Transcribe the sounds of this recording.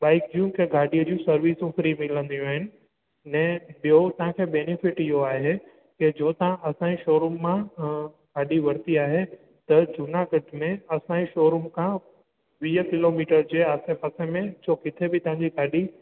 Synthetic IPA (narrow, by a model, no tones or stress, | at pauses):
ɓaːɪk̚d͡ʑuːmkʰeɡʱaːɗiəd͡ʑũsɐɾʋiːsũfɾimɪlə̃nd̪ijũaːɦɪnɪ̆ | nɛ̃ːɓijot̪ɐɦãkʰeːɓɛːnɪfɪʈɪɦoaːɦe | ked͡ʑoːt̪ɐɦãʔɐsãiʃoːɾumːã | ɡ̥ʱaːɗiʋɐɾt̪iaːɦe | t̪ɐd͡ʑʊnaɡəʈmẽɐsãiʃoːɾumkʰã | ʋiːəkɪloːmiːʈəɾd͡ʑeːaːsefɐsemẽd͡ʑoːkɪt̪ʰebɪt̪ɐʋ̤ãɲd͡ʑiɡʱaːɗi